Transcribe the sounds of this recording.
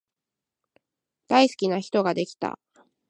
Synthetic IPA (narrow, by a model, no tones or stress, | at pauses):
d̪̥aisɨ̥kʲinaçi̥t̪o̞ɡad̪e̞kʲi̥t̪a̰